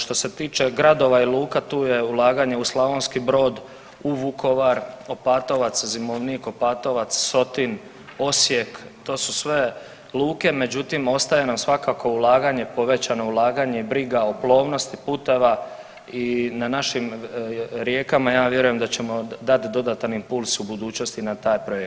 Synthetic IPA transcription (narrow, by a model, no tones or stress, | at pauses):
ʃt̪o̞se̞t̪iːt͡ʃe̞ɡɾad̪o̞ʋailˠuːkat̪uːjeulˠaːɡaɲe̞uslˠaʋonskibɾo̞ːd̪ | uʋukʰo̞ʋaɾopaːt̪o̞ʋat̪szimoʋniko̞paːt̪o̞ʋat̪sso̞t̪in | o̞sjekt̪o̞ːsu̥sʋe̞ | luːke̞me̞d͡ʑut̪imo̞st̪ajenamsʋakako̞ulˠaːɡaɲe̞po̞ʋe̞t͡ɕano̞ulaːɡaɲe̞ibɾiɡaoplˠo̞ːʋno̞st̪ipuːt̪e̞ʋa | inanaʃim | ɾje̞ːkamajaːʋje̞ɾuje̞md̪at͡ɕe̞mo̞d̪at̪d̪o̞d̪at̪animpulˠsubud̪uːt͡ɕno̞st̪inat̪aːjpɾo̞jekt̪